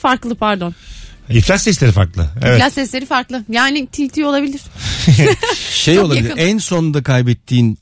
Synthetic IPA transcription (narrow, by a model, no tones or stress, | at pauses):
faɾklˠɯpaɾd̪o̞niflʲasɛs̬lʲeɾifa̰ɾklˠɯ̰eɛ̰vlʲasɛslʲe̞ɾifaɾklˠɯjaːnit̪ʰiːt̪ʰio̞lˠabilʲiɾ̥ | ʃejo̞lˠabilʲiænso̞nd̪akʰajbɛt̪ʰːiːn